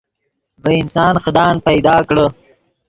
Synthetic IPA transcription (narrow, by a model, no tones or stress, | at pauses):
bəɪnsɑːnxəd̪ɑːnpɐjd̪ɑːkɽə